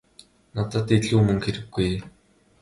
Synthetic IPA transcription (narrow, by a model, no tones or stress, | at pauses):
nat̪ə̆t̪eɮuːmɵ̆ŋxeɾɘ̆ɡːuj